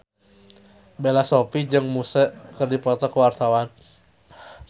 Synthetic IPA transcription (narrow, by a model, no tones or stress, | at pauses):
belasopid͡ʒɨŋmusəʔkərdipɔt̪ɔkuwart̪awan